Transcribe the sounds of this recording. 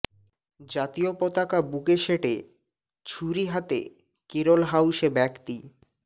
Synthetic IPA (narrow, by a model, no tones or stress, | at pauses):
d͡ʑat̪iopɔt̪akabuɡeʃeʈe | t͡ɕʰuɾiɦat̪ḛ | keɾolɦawʃebɛkt̪i